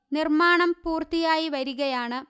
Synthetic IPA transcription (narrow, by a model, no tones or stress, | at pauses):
nirmaːɳɐmpuːrt̪ijaːjiʋɐɾuɣɐjaːɳɨ